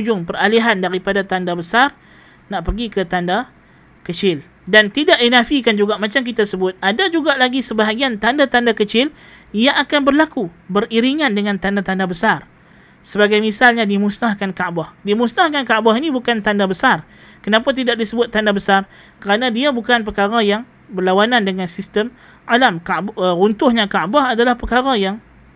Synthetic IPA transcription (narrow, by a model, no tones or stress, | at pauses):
ud͡ʒʊŋpəraliɦandaɾipadat̪andabəsar | naʔpərɡikət̪anda | kət͡ʃɪl | dant̪idaʔdinafikand͡ʒuɡaʔmat͡ʃamk̬it̪asəbʊt̪̚adad͡ʒuɡaʔlaɡisəbaɦaɡiant̪andat̪andakət͡ʃɪl | ijaʔakanbərlaku | bəriɾiŋandəŋant̪andat̪andabəsar | səbaɡajmisalɲadimusnahkankaʔbahdimusnahkankaʔbaɦinibukant̪andabəsar | kənapat̪̬idak̚disəbʊt̪ːandabəsar | kəɾanadiabukanp̬əkaɾajaŋ | bərlawanandəŋansist̪əm | ʔalamkaʔbərunt̪ʊhɲakaʔbahadalahpəkaɾajaŋ